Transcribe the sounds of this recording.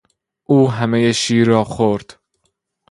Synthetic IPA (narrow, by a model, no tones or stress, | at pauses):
ʔuːɦæmejeʃiːɾɒːxoɾd̪̥